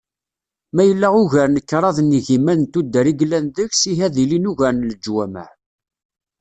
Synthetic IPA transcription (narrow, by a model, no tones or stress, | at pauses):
mæjəlːæʁʊʝæɾnəkːɾˤɑðniʝimænt̪ud̪ːəɾiɡlːænðəçsiɦæðilinuʝæɾnləd͡ʒwæmæ̰